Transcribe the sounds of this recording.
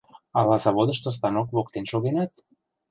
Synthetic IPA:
ɑlɑzɑβod̪ə̆ʃt̪os̬t̪ɑnokβokt̪enʃoɣenɑt̪

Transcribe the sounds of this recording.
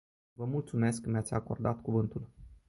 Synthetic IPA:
vəmult̪sume̞skmjat̪sʲako̞rd̪at̪kuvɨnt̪ul

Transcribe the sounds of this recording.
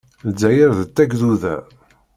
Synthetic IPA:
d͡zːæjəɾðət͡s̪ːæɡðuðæ̰

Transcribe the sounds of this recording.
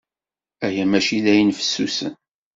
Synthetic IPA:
æjæmæʃilæjənfə̥sːusə̰n

